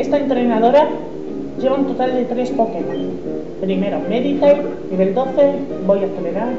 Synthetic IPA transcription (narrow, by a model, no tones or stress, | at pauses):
est̪aent̪ɾenað̞oɾa | ʝeβ̞aunt̪ot̪ald̪et̪ɾespokenas | pɾimeɾomeðit̪ejniβeld̪oθe | bojaθeleɾaɾ